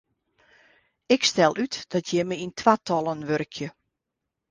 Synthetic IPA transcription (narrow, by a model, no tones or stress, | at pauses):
ɪkstɛlˠʔytd̥ɔtʰjɛməintʰʋatʰɔlˠənʋørkʰjə